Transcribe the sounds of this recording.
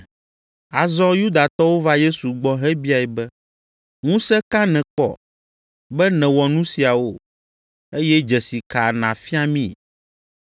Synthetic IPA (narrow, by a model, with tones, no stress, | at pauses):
a˨zɔ˦ju˦d̪a˨t̪ɔ˦wo˦va˦je˦su˨ɡ͡bɔ˦ɦɛ˦bi˦a˨ɛ˨bɛ˦ | ŋũ˦sɛ˦ka˦nɛ̃˨kɔ̰˨ | bɛ˦nɛ̃˨wɔ˨nũ˦si˨a˨wo˦ | e˦jɛ˦d͡ʒɛ˨si˨ka˨nã˨fi˦a˦mḭ̃˦˨